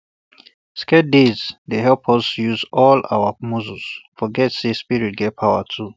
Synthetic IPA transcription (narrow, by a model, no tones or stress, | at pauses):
skɛt̚dedzdeɦɛlpʰɔsjuzɔla̰wəmuzusfɔɡɛtsespiɹit̚ɡɛt̚pʰawə̰tʰu